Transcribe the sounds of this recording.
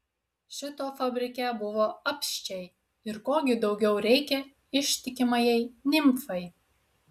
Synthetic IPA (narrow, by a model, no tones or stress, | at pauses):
ʃʲɪt̪oːfɐbʲɾʲɪkʲɛˑbʊʋoːɐpʲʃʲt͡ʃʲɛɪ | ɪɾkoːɡʲɪd̪ɒʊɡʲɛʊɾʲɛɪkʲɛ | ɪʃʲt̪ʲɪkʲɪmɐjɛɪnʲɪmfɐɪ